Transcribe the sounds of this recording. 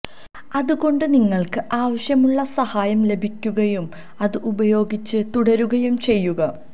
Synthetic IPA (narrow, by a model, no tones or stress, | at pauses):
ɐðuɣo̞ɳɖɨniŋːɐɭkɨʔaːʋɐɕjɐmuɭːɐsɐhaːjɐmle̞bʱikʲːuɣɐjum | ɐðɨʔubɐjo̞ːɡit͡ɕːɨt̪uɽɐɾuɣɐjumt͡ɕe̞jːuɣɐ